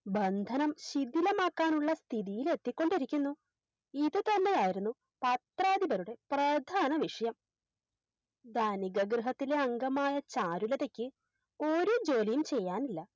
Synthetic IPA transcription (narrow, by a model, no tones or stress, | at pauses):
bɐnd̪ʱɐnɐmɕid̪ilɐmaːkːaːnuɭːɐst̪ʰiðijile̞t̪ːikʲːo̞ɳɖiɾikʲːunːu | iðɨt̪ɐnːe̞jaːjiɾunːu | pɐt̪raːd̪ibɐɾuɽe̞prɐd̪ʱaːnɐʋiʂɐjɐm | d̪ɐniɡɐɡrɨɦɐt̪ːile̞ɐŋɡɐmaːjɐt͡ɕaːɾulɐðe̞kʲːɨ | o̞ɾud͡ʑo̞ːlijumt͡ɕe̞jːaːnilːɐ